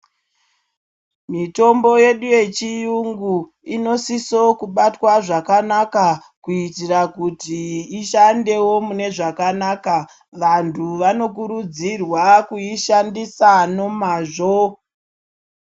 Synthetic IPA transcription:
mito̞mbo̞je̞ɗuje̞t͡ʃijuŋɡu | ino̞siso̞kuɓatwaʐakanaka | kuitirakutiːʃande̞wo̞mune̞ʐakanaːka | ʋantʰuʋano̞kuɾud͡zirwakuiʃandisano̞maʐo

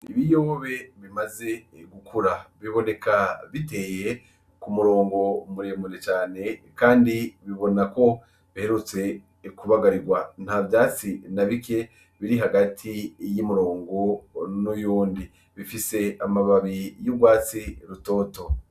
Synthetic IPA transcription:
iβijoβe̞βimaze̞ɡukʰuɾaβiβo̞ne̞kaβite̞ːje̞ | kumuɾo̞ːŋɡo̞muɾemunet͡ʃaːne̞kaːndiβiβo̞nako̞ | βihe̞ɾut͡se̞ | kuβaɡaɾiɡwan̥havjaːt͡sinaβike̞ | βiɾiɦaɡatʰijimuɾo̞ːŋɡo̞nujuːndi | βifise̞amaβaβijuɡwaːt͡siɾuto̞ːto̞

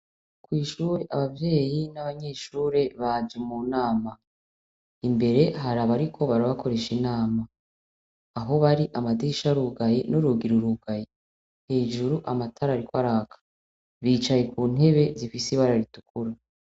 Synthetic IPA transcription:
kwiːʃuːɾe̞ʔaβavje̞ːjinaβaɲe̞ʃuːɾe̞βad͡ʒimuːnaːma | imbe̞ɾe̞ɦaɾaβaɾikʰo̞βaɾaβakʰo̞ɾe̞ʃinaːmaː | ɦo̞βaɾiʔamadiʃaɾuɡajenuɾuɡiɾuɾuɡaje | he̞ːʒuɾuʔamatʰaɾaɾikwaɾakʰḁ | βiːt͡ʃajekuːn̥e̞βe̞zifisiβaɾaɾitukuɾa

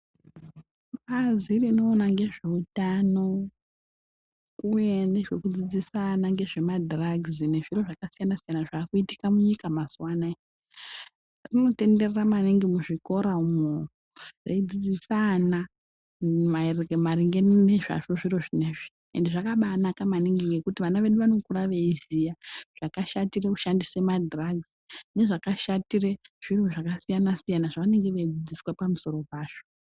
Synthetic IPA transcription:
ɓazirino̞ːnaŋɡe̞ʐe̞utano̞ | uje̞ne̞ʐe̞kud͡zid͡zisanaŋɡe̞ʐe̞madraɡzine̞ʐiro̞ʐakasijanasijanaʐaːkuiti̥kamuɲikamasuwana | rino̞te̞nde̞reramaniŋɡimuʐiko̞ɾaumo | rḛud͡zid͡zisana | marmaɾiŋɡe̞nneʐa̰ʐoʐiroʐineʐi̥ | ḛndeʐakaɓanakamaniŋɡiŋɡekutiʋanaʋe̞ɗuʋano̞kuraʋeizijaʐ̥akaʃatire̞kuʃandise̞madraɡzine̞ʐakaʃatire̞ʐ̥iroʐakasijanasijanaʐaʋane̞ŋɡeʋeid͡zid͡ziswapamuso̞ɾopaːʐ̥o

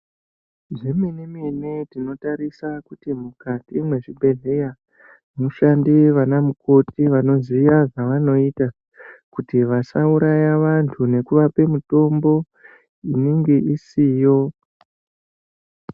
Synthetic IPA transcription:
ʐeminiminidino̞taɾisakutimukatimwe̞ʐibʱe̞ɮe̞ja | muʃandiʋanamuko̞tiʋano̞zijaʐaʋano̞ita | kutiʋasauɾajaʋantʰune̞kuʋape̞muto̞mbo̞ | iniŋɡeʔisiːjo̞

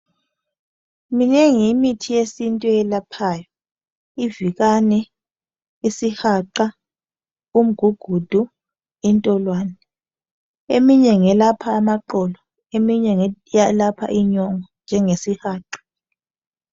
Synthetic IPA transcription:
mineŋimitʰijesintʼuɛlapʰajɔ | ivikanɛ | isihaǃa | um̩ɡ̥ʱuɡ̥ʱud̥ʱu | intʼɔlwaːnɛ | emiɲɛŋɛlapʰaːmaǃɔlɔ | emiɲɛalapʰa̰ʔiɲɔŋɔnd͡ʒʱɛŋesihaːǃḁ

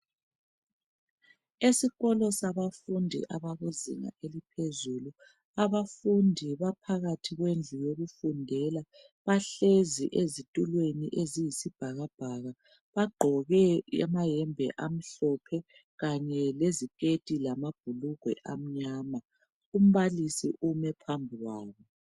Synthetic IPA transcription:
esiɣɔlɔsaβafundʱḭʔaβaɣuzḭŋa̰ʔelipʰezulu | aβafundʱiβapʰaɣatʰiɣwend͡ɮʱujoɣufundʱɛla | βaɬezḭʔezitʼulwenḭʔezijisib̥ʱaɣab̥ʱaɣa | βaɡ͡ǃʱɔɣɛa̰majɛmbʱɛ̰ʔam̩ɬɔpʰɛ | ɣaɲɛlezikʼetʼilamab̥̚ʱuluɡ̥ʱwɛ̰ʔam̩ɲaːma | um̩βalisḭʔumɛpʰambʱiwaːβɔ

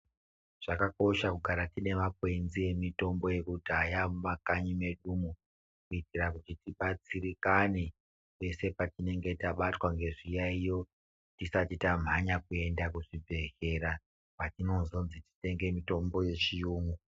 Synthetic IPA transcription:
ʐ̥akako̞ʃakuɡʱaɾatine̞mak̚we̞nzie̞mito̞mbo̞je̞kudʱajamumakaɲime̞ɗumu | kuitiɾakutitiɓat͡sirikane | pe̞se̞patine̞ŋɡe̞taɓatwaŋɡe̞ʐijaijo̞ | tisatitam̤ʱaɲak̚ue̞ndakuʐibʱe̞xe̞ɾa | patino̞nzo̞nziti̥te̞ŋɡe̞mito̞mbo̞je̞t͡ʃijuːŋɡu

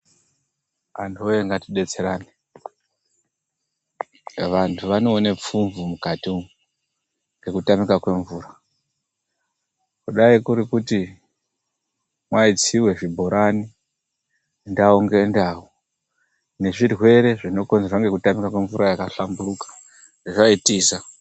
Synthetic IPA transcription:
antʰuoeŋɡatiɗe̞t͡se̞ɾaːni | ʋantʰuʋano̞ːnep͡fuɱvumukati | ŋɡe̞kutamikakwe̞ɱvuːɾa | kuɗaikuɾikuti | mwait͡siwe̞ʐibʱo̞ɾʔani | ndaoŋɡe̞ndawo | ne̞ʐirwe̞ɾe̞ʐino̞ko̞nzerwaŋɡe̞kutamikakwe̞ɱvuɾʔajakaɬamburukḁ | ʐ̥eʐaitiːsa

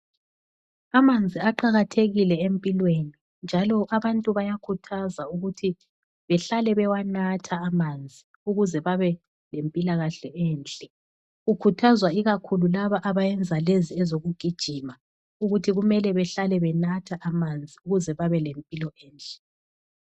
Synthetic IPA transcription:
amand͡zʱiaǃaɣatʰeɣilɛempʼilweni | nd͡ʒʱalɔʔaβantʼuβajakʰutʰazauɣutʰi | βɛɬalɛβɛwanatʰaːmand͡zʱi | uɣuzɛβaβɛ | lempʼilaɣaɬɛɛːnt͡ɬʼɛ | ɣukʰutʰazwaiɣakʰululaβaʔaβajɛnd͡zʱaleziɛzoɣuɡ̥ʱid̥ʒ̥ʱima | uɣutʰiɣumɛlɛβɛɬalɛβɛnatʰaʔamand͡zʱiuɣuzɛβaβɛlempʼilɔɛːnt͡ɬʼɛ̥

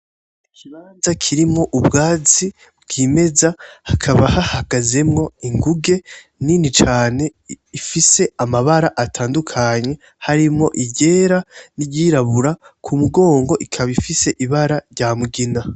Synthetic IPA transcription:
ikʰiβaːnzakʰiɾimŋo̞ʔubɡaːzi | bɡ̥ime̞zahakʰaβahahaɡ̥aze̞mŋo̞iŋɡuɡe̞ | ninit͡ʃaːne̞ | ifise̞amaβaɾaʔatʰaːndukʰaɲe̞ | haɾimŋo̞ʔiɟe̞ːɾaniɟiɾaβuɾakʰumuɡo̞ːŋɡo̞ʔikʰaβifise̞ʔiβaɾaɾɟaːmuɡina

